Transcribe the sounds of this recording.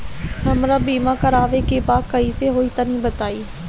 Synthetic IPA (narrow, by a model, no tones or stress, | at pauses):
ɦəmɾãːbiːmãːkəɾaːʋekeːbaːkəiːseɦoːiːt̪ãːnĩːbət̪aːiː